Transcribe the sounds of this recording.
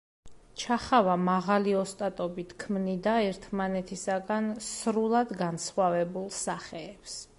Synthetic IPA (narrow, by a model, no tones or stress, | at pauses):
t͡ʃʰaχavamaʁaliɔst̪ʼat̪ʼɔbit̪ʰkʰmnid̪aɛɾt̪ʰmanɛt̪ʰisaɡansɾulˠad̪ɡansχwavɛbulˠsaχɛːps